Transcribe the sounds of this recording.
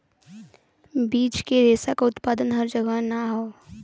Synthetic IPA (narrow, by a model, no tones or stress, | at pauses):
biːt͡ʃkeɾeːsakaʊt̪paːd̪ənɦɐɾd͡ʒəɡəɦnaɦoː